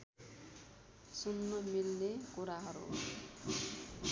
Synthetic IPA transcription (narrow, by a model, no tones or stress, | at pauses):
sunːʌmilnekuɾaɦʌɾṵ